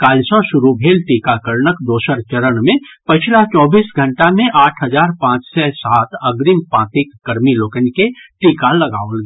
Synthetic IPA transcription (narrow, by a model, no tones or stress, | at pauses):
kaːlsõʃʊɾubʱeːlʈiːkakəɾnəkd̪oːʃəɾt͡ʃəɾənmẽpət͡ʃʰlat͡ʃɔːbiːsɡʱə̃ɳʈamẽʔaːʈʰɦəzaːɾpãːt͡ʃsɛsaːt̪ʰəɡɾimpãːt̪ɪkːəɾmiloːkənkeʈiːkaləɡaːolɡe